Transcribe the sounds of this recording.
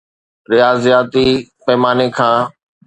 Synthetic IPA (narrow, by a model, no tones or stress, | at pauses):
ɾɪjaːzjaːt̪ipɐɦmaːnekʰãː